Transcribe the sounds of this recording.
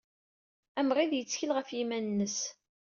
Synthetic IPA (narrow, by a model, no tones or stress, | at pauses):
æmʁiðjət͡sːçilʁəfjimænnːəs